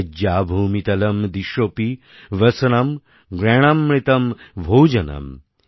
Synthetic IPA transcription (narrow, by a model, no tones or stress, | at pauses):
d͡ʒjaːbʱuːmit̪ɐlɐmd̪iʃopi | ʋɐsɐnɐm | ɡɾɛɳ̃ɐmːɾit̪ɐmʋʱoːd͡ʒɐnɐ̰m